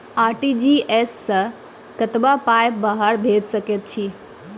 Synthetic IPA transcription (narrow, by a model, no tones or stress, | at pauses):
aːɾʈid͡ʑiːeːsːɐ | kɐt̪bapaːɪp̚baɦaɾbʱeːd̪sɐkjət̪̚t͡ɕʰiː